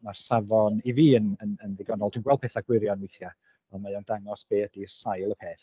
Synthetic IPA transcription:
marsavɔniviːənənənðɪɡɔnɔlˠd̥ʰunɡwɛl̚ˠpeːθaɡ̥wɪɾjɔnmɪjθja | ɔnmajawndaŋɔsb̥eːdisajlˠəpʰeːθ

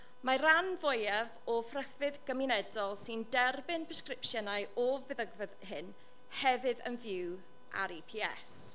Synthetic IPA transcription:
maɾanvɔjɛvɔfrəfɨðɡ̥əminɛdɔlˠsɪndɛrbɨnpʰɪskrɪpʃjɛnajɔvɨðəɡvəðhɨn | hɛvɨðə̰nvjɪw | ʔa̰ɾipʰiɛ̰s

